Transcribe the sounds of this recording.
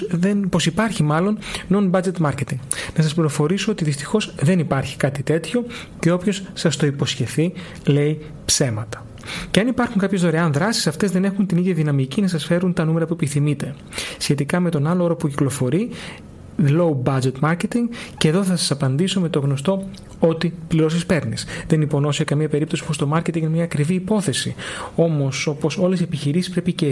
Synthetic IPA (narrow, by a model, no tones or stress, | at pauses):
enpo̞sipɐɾçimɐlo̞nnonbɐd͡ʒe̞t̪mɐɾce̞t̪iŋɡnɐsɐspliɾo̞fo̞ɾisoot̪iðist̪i̥xo̞zðe̞nipɐɾçi̥kɐt̪it̪e̞t̪ço̞ | ce̞o̞pço̞sːɐst̪o̞ipo̞sçe̞θi | le̞i | pse̞mɐt̪ɐ̥ | ceɐnipɐɾxuŋkɐpçe̞zðo̞ɾeɐnðɾɐsi̥sɐft̪e̞zðe̞ne̞xunt̪iniðʝɐðinɐmicinɐsɐsfe̞ɾunt̪ɐnume̞ɾɐpuepiθimit̪e̞ | sçet̪ikɐme̞t̪o̞nɐlo̞o̞ɾopuciklo̞fo̞ɾi | loubɐd͡ʒe̞t̪mɐɾce̞t̪iŋɡceðo̞θɐsɐsɐpɐnd̪iso̞me̞t̪o̞ɣno̞st̪o̞ | o̞t̪ipliɾo̞s̬ispe̞ɾnisðe̞nipo̞no̞siekɐmiɐpe̞ɾip̚t̪osipo̞st̪o̞mɐɾcet̪iŋnmɲɐːkɾiviːpo̞θe̞sio̞mo̞so̞po̞so̞le̞siepiçiɾisispɾe̞pice